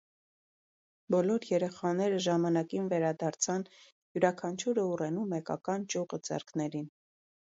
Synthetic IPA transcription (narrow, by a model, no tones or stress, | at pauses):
bɔlɔɾjɛɾɛχɑnɛɾəʒɑmɑnɑkinvɛɾɑd̪ɑɾt͡sʰɑn | juɾɑkʰɑnt͡ʃʰuɾəurɛnumɛkɑ̰kɑnt͡ʃuʁəd͡zɛ̰ɾkʰnɛɾin